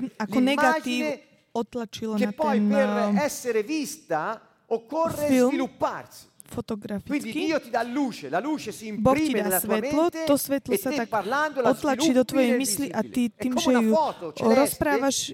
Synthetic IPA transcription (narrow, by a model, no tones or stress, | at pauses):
alkɔnɛɡad͡ʒ̪iː | ɔt̪lat͡ʃilɔnatːɛɔjnerɛsːeɾevist̪a | okːorːefizlmilupːa̰rsi̥ | fɔt̪ɔɡɾafiint͡s̪ːikiiːot̪id̪alːuːt͡ʃelaluːt͡ʃesiːmpbɔɾkicid̪asʋɛt̪lɔt̪ɔsʋɛt̪lɔsat̪akaland̪oɔt̪lat͡ʃid̪ɔt̪ʋɔjɛjmisliʔat̪it̪iːmʒɛuɔt̪ot͡ʃɾɔspɾaːʋaʃ